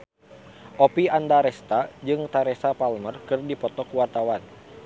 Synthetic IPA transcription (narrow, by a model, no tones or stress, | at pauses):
ʔopiandaɾɛst̪ad͡ʒɨŋt̪aɾesapalmərkɨrdipɔt̪ɔkuwart̪awan